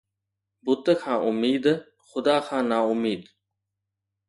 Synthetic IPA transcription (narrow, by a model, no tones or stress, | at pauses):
bʊt̪əkʰãːʔʊmiːd̪ | xʊd̪aːkʰãːnaːʊmiːd̪